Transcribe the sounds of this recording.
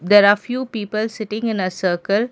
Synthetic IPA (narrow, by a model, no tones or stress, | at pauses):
d̪ɛɾaːfjuːpiːpəlsɪʈɪ̃ŋɪ̃nəsəːkəl